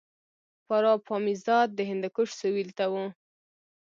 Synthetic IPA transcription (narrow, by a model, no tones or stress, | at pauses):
paɾɑpʰɑmizɑd̪̚ːəɦɪnd̪akʊʂsəwilt̪awu